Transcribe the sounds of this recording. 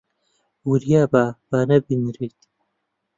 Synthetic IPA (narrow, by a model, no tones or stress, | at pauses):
wuɾijaːbab̥aːnɐbinɾet̪